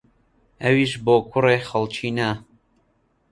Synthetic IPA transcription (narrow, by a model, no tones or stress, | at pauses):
ɐwiʃboːkʰʊreːxɐlt͡ʃʰiːnɐ